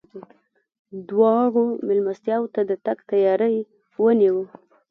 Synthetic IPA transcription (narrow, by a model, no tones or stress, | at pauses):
d̪wɑɣomɪlmast̪jɑwt̪ad̪ət̪aɡt̪ajɑɾəj | wəniwə